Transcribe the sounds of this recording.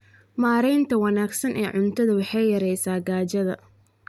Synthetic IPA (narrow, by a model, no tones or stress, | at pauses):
maːɾɛjnt̪ʰɐwɑnaːɡsɐnʔɛːʕʊnt̪ʰɐðɐwɑħɑjjɐɾɛjsaːɡaːt͡ʃɐðɐ̰